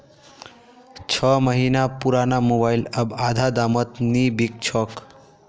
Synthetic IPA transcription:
t͡ʃʰʌməɦinapuɾanamobailəbad̪ʱad̪amət̪nibik̚t͡ʃʰɔk

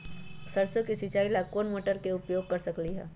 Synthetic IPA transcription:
səɾsokisit͡ʃaːilakoːnmoːʈəɾkeʊpjoːɡ̚kɐɾsɐkliɦɛ̰ː

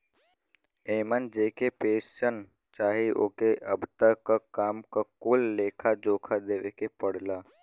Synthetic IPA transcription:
eːmənd͡ʒeːkepeːsən | t͡ʃaːɦiʔo̰ːkeʔəbt̪əkakaːmkakoːlːeːkʰad͡ʒoːkʰad̪eːʋekepəɽlaː

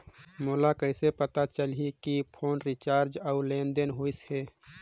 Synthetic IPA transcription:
moːlakəɪsepət̪at͡ʃəlikipʰoːnɾit͡ʃaːɾd͡ʒəʊlẽːnd̪enɦoisheː

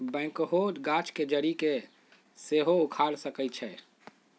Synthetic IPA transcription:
bɛ̃ːkɦod͡ʒɡat͡ʃʰked͡ʒəɾike | seɦoukʰaɽsəkət͡ʃʰɛ

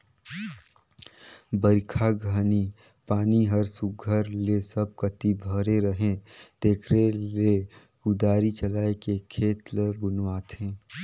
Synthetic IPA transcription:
bəɾkʰaɡʱaːni | paːniɦəɾsʊɡʱəɾlesəb̚kɐt̪ibʱəɾeɾəɦẽd̪̥eːkʰɾele | ɡʊd̪aːɾit͡ʃəlaːekekʰeːt̪lbʊnwaːt̪ẽː

